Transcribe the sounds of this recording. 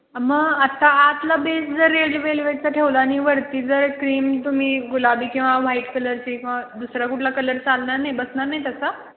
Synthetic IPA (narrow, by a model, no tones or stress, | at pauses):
məɡat̪aat̪labesd͡zəɾːelɖʋeliʋeʈt͡saʈʰeʋlaːniʋəɽt̪iːd͡zəɾkɾiːmt̪um̤iːɡulabiːkĩw̃ʋaʋ̤aiʈkələɾt͡ɕikĩw̃ʋad̪usɾakuʈʰlakələɾt͡salnaɾnajbəsnaɾnajt̪əsa